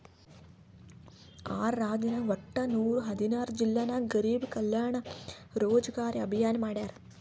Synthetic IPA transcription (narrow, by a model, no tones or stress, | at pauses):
aːɾːaːd̪inɐʋɐʈːɐnuːɾuɦɐd̪inaːɾd͡ʒilːaːnaːɡɐɾiːbkɐljaːɳɐɾoːd͡ʒɐɡaːɾiɐbʱijaːnɐmaːɽjaːɾ